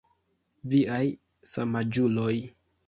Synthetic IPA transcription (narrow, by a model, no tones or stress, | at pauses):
viaj | samad͡ʒuloj